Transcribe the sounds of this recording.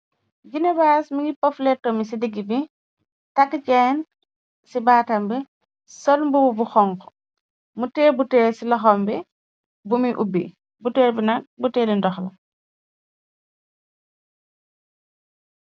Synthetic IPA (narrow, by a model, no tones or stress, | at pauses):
ɡinebaːsmiɡipɔfletːɔmisidiɡibi | takːcɛːn | sibaːtɐmbɛ | sɔlmbububuxɔŋkɔ̥ | muteːbuteːsilɔxɔmbɛ | bumiʔubḭ | buteːɾbinɐk̚buteːlindɔxlɐ̰